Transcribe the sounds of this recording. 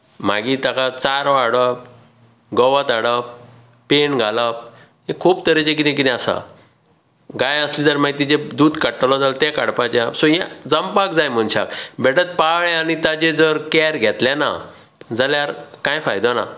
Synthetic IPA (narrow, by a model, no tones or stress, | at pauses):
m̤a̰ɡit̪akat͡saɾɔaɽəp | ɡɔʋat̪aɽəp | pːeɳɡʱalap̚ | ɦekʰuːbt̪əɾet͡ɕek̬it̪ẽk̬it̪ĩasa̰ | ɡajəslid͡zəɾmaɡit̪id͡ʑed̪uːd̪kəʈːəlɔd͡zalt̪ɛkaɽpat͡ɕasɔjɛd͡zəmpakd͡zajm̤əɳɕa̰kbɛʈət̪̚paɭ̃añit̪at͡ɕed͡zəɾkɛɾɡʱɛt̪lɛ̃na̰ | d͡zaljaɾkãjfajd̪ɔna̰